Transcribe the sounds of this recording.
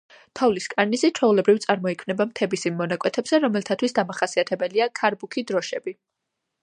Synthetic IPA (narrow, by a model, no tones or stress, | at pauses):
t̪ʰɔvliskʼaɾnizit͡ʃʰɔulɛbɾivt̪sʼaɾmɔikʰmnɛbamt̪ʰɛbisimːɔnakʼwɛt̪ʰɛbzɛɾɔmɛlt̪ʰat̪ʰwisd̪amaχasiat̪ʰɛbɛliakʰaɾbukʰid̪ɾɔʃɛbi